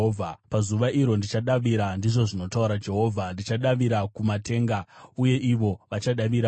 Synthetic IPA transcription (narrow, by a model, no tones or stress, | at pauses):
apazuʋaʔiɾo̞ndit͡ʃaɗaʋiɾandiʐo̞ʐino̞tauɾad͡ʒe̞ɦo̞ːvʱandit͡ʃaɗaʋiɾakumate̞ːŋɡauje̞ʔiʋo̞ʋat͡ʃaɗaʋiɾa